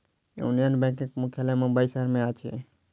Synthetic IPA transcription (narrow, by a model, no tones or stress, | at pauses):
jṵnijənbɛ̃kekmukʰjalamubaisəɦəɾmeat͡ʃʰɛ̰